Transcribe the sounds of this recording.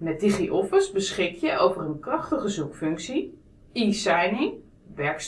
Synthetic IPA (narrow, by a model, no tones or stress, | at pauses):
mɛt̚diχiʔɔfəsbəsχɪkjəʔowvərənkrɑχtəχəzukfɵŋksi | isɛjnɪŋ | ʋɛɹks